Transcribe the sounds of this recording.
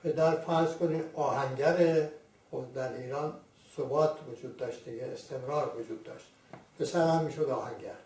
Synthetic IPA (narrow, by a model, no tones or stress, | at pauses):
pʰe̞d̪æɾfæɾzkʰoniːɒːhæŋɟæɾe | xozd̪æɾiːɾɒːn | sobɒːt̪ʰvod͡ʒuːd̪̚ːɒːʃt̪̚d̪iɡeest̪ʰemɾɒːɾvod͡ʒuːd̪ːɒ̰ːʃt̪ | pʰe̞sæɾæmːiːʃod̪ɒːhæŋɟæ̰ɾ